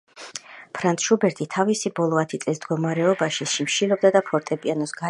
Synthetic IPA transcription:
pʰɾant̪ʰʃubɛɾt̪ʰit̪ʰavisibɔlˠɔat̪ʰit̪sʼlismd̪ɡɔmaɾɛɔbaʃiʃimʃilɔb̚d̪ad̪apʰɔɾt̪ʼɛpʼianɔsɡ̥a

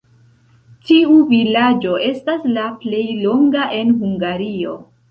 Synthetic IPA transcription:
tiuvilad͡ʒo̞ʔe̞staslaple̞jlo̞ŋɡaʔe̞nɦuŋɡaɾio̞

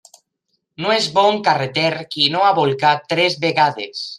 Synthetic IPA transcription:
noezβoŋkaret̪eɾkinoaβolkat̪ɾezβeɣaðḛs

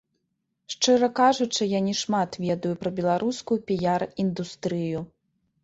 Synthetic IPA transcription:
ʂt͡ʂɨɾɐkaʐut͡ʂɨjanʲɛʂmat̪vʲɛd̪ujupɾɐbʲɛlˠaɾʔuskujupʲijarind̪ust̪ɾɨju

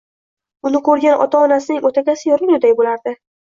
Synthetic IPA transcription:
ʊnɪqʰoɾɡʲanʔɒ̰t̪ʰaɒnasɪnɪŋʔot̪ʰakʲasɪjɒɾɪʊd̪ajbolaɾd̪ɪ

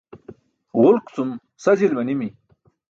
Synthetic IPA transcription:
ʁʊlkt͡sum | sɐd͡ʑilmɐnimi

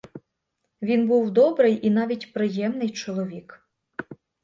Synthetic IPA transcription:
ʋʲinbuwd̪ɔbɾɪjʔin̪ɑʋʲitʲpɾɪjɛmnɪjt͡ʃɔlˠɔʋʲik

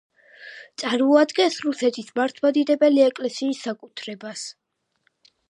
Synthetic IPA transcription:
t̪sʼaɾmɔad̪ɡɛnsɾusɛt̪ʰismaɾt̪ʰwad̪id̪ɛbɛliɛkʼlɛsiːsːakʼut̪ʰɾɛbas

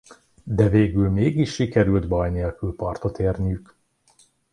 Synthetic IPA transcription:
d̪ɛveːɡylmeːɡiʃːikɛɾylt̪bɒjneːlkylpɒrt̪o̞t̪eːrnijyk

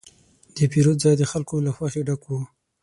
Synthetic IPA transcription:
d̪̥əpiɾot̪zɑjd̪əxalkolaxwaxeɖakwu

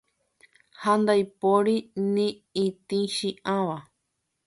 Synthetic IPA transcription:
hand̪ajpoɾinĩ | ĩt̪ĩʃĩʔãβa

